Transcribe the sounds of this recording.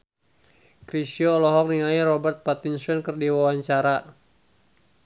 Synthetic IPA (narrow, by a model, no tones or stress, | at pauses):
kɾisiɔːlɔɦɔk̚niŋairɔbɛrt̪̚pat̪insɔnkərdiwawaɲt͡ʃaɾa